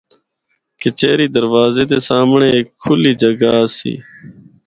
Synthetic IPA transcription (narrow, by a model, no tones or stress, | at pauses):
kɪt͡ʃeːɾiːd̪əɾʋaːzeːd̪eːsaːmɳeːeːkʰːʊliːd͡ʒəɡaːəsḭː